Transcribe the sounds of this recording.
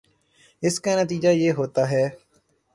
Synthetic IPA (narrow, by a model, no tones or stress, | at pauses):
ɪskaːnət̪iːd͡ʒaːjeːɦoːt̪aːɦɛː